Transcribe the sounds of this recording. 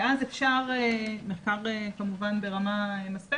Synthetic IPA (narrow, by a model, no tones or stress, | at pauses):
ʔazefʃaʁemeχkaʁekamuvanbeʁamaemaspe